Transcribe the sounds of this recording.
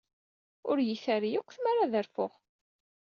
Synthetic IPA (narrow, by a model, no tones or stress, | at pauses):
ʊɾjiθæɾijʊkʷːθmaɾaðəɾfʊʁ